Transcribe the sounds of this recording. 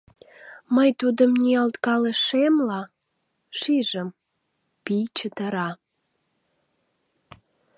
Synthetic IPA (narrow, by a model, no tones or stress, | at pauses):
məjt̪ud̪əmniɑlt̪kɑleʃemlɑ | ʃiʒəm | pijt͡ɕət̪əɾɑ